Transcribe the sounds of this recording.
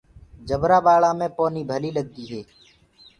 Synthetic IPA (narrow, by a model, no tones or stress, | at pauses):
d͡ʒəbɾaːbaːɭãːmẽːpoːniːbʱəliːləɡ̚d̪iːɦeː